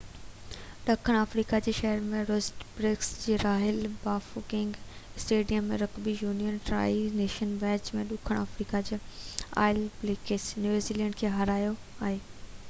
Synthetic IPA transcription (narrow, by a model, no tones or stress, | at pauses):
ɗɐkʰəɽ̃aːfɾiːkad͡ʑeːʃɐɦəɾmẽɾosʈbɾɪksd͡ʑeːɾaːɦɪlbaːfukɪ̃ŋɡsʈeːɖijəmːẽɾɐkbijuːnijənʈɾa̰ːineːʃənbɛ̃ːt͡ɕmẽɗʊkʰəɽ̃aːfɾiːkad͡ʑeːa̰ːɪlblekesnjuːziːlɛ̃ɳɖkʰeːɦɐɾaːjo | aːɦeː